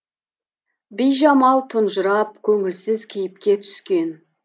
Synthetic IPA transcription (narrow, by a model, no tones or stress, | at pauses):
bijʒɑmɑlˠt̪ʰʊnʒəɾɑp̚kʲʰɵŋɪlsɪzkʲʰejɪp̚kʲe̞t̪ʰʏ̥skʲe̞n